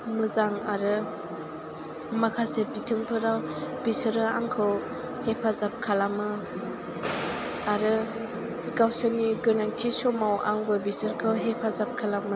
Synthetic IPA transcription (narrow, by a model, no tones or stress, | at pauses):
mɯzaŋaɾɯ | makʰasep̚ditʰɯŋpʰɯɾawb̥isɯɾɯa̰ŋkʰɯw | hepʰazap̚kʰalamɯ | aɾɯ | ɡawsɯniɡɯnaŋtʰisɔmawa̰ŋɡɔbisɯɾkʰɯwɦepʰazap̚kʰalamɯ